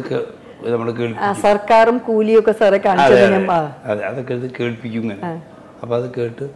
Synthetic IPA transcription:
kːe | nɐmːɐɽek̬eːɭpasɐrkaːrumkuːlijokːesɐrekːaːɳiɐðt͡ɕɐeiɐmaːɐðeɐðokːeðɨke̞ːɭpikʲːuŋːɐnea | ɐpːoːɐðɨke̞ːʈːɨ

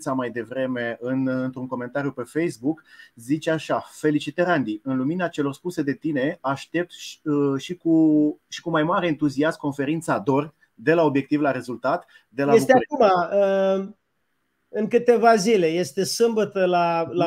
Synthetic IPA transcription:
samajd̪e̞vɾe̞me̞ɨnɨnt̪ɾuŋko̞me̞nt̪aɾijupe̞fe̞jsbukzit͡ʃaʃafe̞lit͡ʃit̪eɾand̪iɨnluminat͡ʃe̞lo̞rspuse̞d̪e̞t̪ine̞aʃt̪e̞p̚t̪ʃʃikuʃi̥kumajmaɾe̞ːnt̪uziast̪̚ko̞nfe̞ɾint̪sad̪o̞rʲ | d̪e̞lao̞bjek̚t̪ivlaɾe̞zult̪at̪ | d̪e̞laest̪eaumaə | ɨŋkɨt̪e̞vazile̞je̞st̪e̞sɨmbət̪əlala

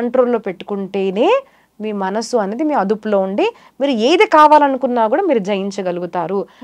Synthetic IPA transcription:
ɐɳʈɾo̞ːlːoːpe̞ʈːu̥kuɳʈe̞ːneː | miːmɐnɐsuɐne̞ːd̪imiːɾɐd̪upulo̞ːuɳɖi | miːɾue̞ːd̪eːkaːʋaːlɐnukunːaːkuːɽaːmiːɾud͡ʒɐjiɲt͡ʃɐɡɐluɡut̪aːɾu

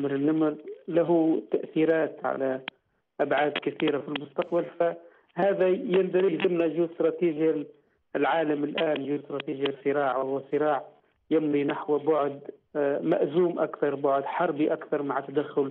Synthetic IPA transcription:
mɾɪnːamɾlaɦut̪aʔθiːɾaːt̪ʕa̰la | ʔabʕaːd̪kɪθiːɾafilmʊst̪ɑqbalfa | haːðajɪnd̪ɑɾijzɪmnajʒuːst̪ɾˤɑːt̪iːʒjal | lʕaːlamɪlʔaːnʒuːd̪st̪ɾˤɑt̪iːʒjasˤɨɾɑːʕwahʊwasˤɨɾɑːʕ | jɪmɾinaħwbʊʕd̪ma̰ʔzuːmʔakθɑɾˤbʊʕd̪ħɑɾˤbiʔakθɑɾˤmaʕt̪ːad̪axːʊl

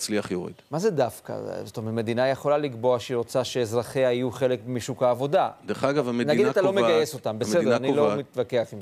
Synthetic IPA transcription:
t͡sliaχjoʁḭd̥̪mazedafka̰zotometme̞d̪inajeχo̞laliɡbo̞aʃiʁot͡saʃeːzʁaχeaijuχe̞lekmiʃukaːvo̞dad̪eaɡavamenaɡiddaat̪alomeɡajeso̞tambesedanilomit̪vakeaχim

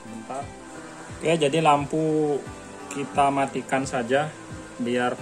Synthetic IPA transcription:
mint̪a | ijad͡ʒadilampu | kit̪amat̪ikansad͡ʒa | biar

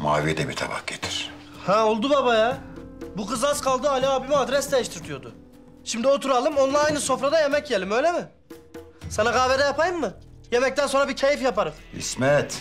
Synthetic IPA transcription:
ma̰ːvid̪ɛbit̪ʰa̰ba̰k̚ɟet̪ʰi̥ɾ̥haolˠd̪ubabajabukɯzaskʰalˠd̪ɯalʲaːbimiad̪ɾɛsd̪ejiʃt̪ʰiɾt̪ʰijo̞d̪ʊ | ʃimd̪io̞t̪ʰuɾalˠɯmo̞nlˠaɾajnɯso̞fɾad̪aje̞mɛcjelʲimø̞jlʲemɪ | sanaɡaːved̪ɛjapʰajɯmːɯ | jemɛc̚t̪ænso̞nɾabicʰejifjapaɾɯmḭsmɛt̪

